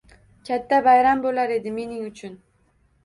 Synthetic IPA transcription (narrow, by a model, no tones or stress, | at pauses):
kʲʰat̪ːabajɾambolaɾe̞d̪ɪme̞nɪŋʊt͡ʃʰʊn